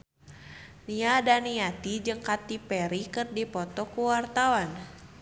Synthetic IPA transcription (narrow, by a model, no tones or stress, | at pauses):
niadaniat̪id͡ʒɨŋkat̪ipɛɾikɨrdipɔt̪ɔkuwart̪awan